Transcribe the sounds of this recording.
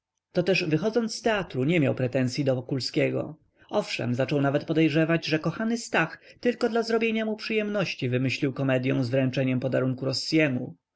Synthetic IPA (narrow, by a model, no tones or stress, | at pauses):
t̪ɔt̪ɛʐvɘxɔd̪zɔnt̪t̪ɛat̪ɾuɲɛmʲjawpɾɛt̪ɛnsʲjid̪ɔvɔkulskʲɛɡɔ̰ | ɔfʂɛ̰mzat͡ʂɔwnavɛt̪̚pɔd̪ɛjʐɛvad͡ʑʐɛkɔxanɘst̪axt̪ɘlkɔd̪lazɾɔbʲjeɲamupʂɘjɛmnɔɕt͡ɕivɘmɘɕlʲiwkɔmɛd̪ʲjɔ̃w̃zvɾɛnt͡ʂɛɲɛmpɔd̪aɾuŋkuɾɔsjɛmṵ